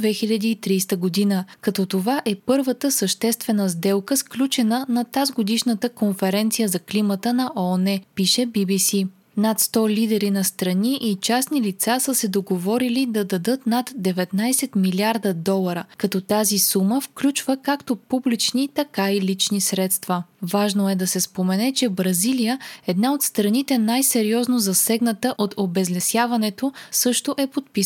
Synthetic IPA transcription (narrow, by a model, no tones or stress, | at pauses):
vɛxilʲɐd̪iːt̪ɾiːst̪əɡod̪inəkɐt̪ɔt̪ovaʔɛpɤɾvət̪əsəʃt̪ɛst̪vɛnəzd̪ɛlˠkəsklʲut͡ʃɛnənɐt̪azɡod̪iʃnət̪əkonfɛɾɛnt̪sijəzɐklimət̪ənɐʔɔonɛpiʃɛbibisi | nɐt̪st̪ɔlid̪ɛɾinɐst̪ɾɐniʔit͡ʃasnilit̪sasəsɛd̪oɡovɔɾilid̪ɐd̪ɐd̪ɤt̪nat̪d̪ɛvɛt̪najsɛt̪milʲiaɾd̪əd̪ɔlˠɐɾəkɐt̪ɔt̪azisuməfklʲut͡ʃvəkakt̪opublit͡ʃnit̪ɐkailit͡ʃnisɾɛt̪st̪vəvaʒnoɛd̪ɐsɛspomɛnɛt͡ʃɛbɾɐzilijəɛd̪naot̪st̪ɾɐnit̪ɛnajsɛɾiɔznozɐsɛɡnɐt̪əʔot̪ʰobɛzlɛsjavɐnɛt̪osɤʃt̪oʔɛpot̪̚pis